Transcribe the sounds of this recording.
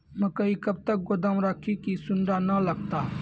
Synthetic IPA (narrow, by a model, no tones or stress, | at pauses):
mɐ̃kɐikɐb̚t̪ɐk̚ɡod̪əmɾəkʰikisʊnɖanɐlɐɡt̪aː